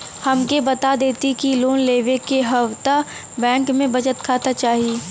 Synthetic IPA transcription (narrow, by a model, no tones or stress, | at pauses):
hɐmkebɐt̪ad̪eːt̪ikiloːnleːʋekeɦɐʋt̪a | bɛ̃ːŋkmẽbɐd͡ʒət̪kʰaːt̪at͡ʃaːɦieː